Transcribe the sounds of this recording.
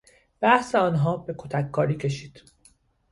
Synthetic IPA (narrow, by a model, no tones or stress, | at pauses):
b̥æhse̞ɒːnɦɒːbe̞kʰot̪ʰækʰːɒːɾiːcʰe̞ʃiːd̪̥